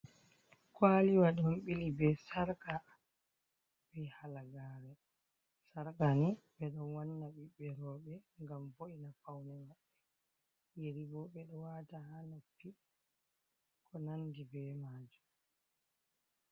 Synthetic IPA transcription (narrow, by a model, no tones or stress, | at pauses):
kwaːliwaɗɔmɓilibɛsaɾka | b̥ɛhalaɡaːɾɛ | saɾkanibɛɗɔnwanːaɓiɓɛɾɔɓɛŋɡamboʔinafawnɛmaɓːɛ | jeɾiɡɔɓɛɗɔwatahanofːi | kʰɔnandibɛmaːd͡ʒu